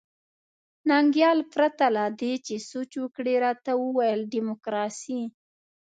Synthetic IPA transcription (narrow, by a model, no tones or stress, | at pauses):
naŋɡjɑlpɾat̪alad̪et͡ʃesot͡ʃwəkɽeɾɑt̪awəwajəlɖimokɾɑsi